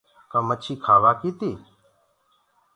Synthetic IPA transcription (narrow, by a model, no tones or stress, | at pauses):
kəmət͡ʃʰiːkʰaːʋaːkiːt̪iː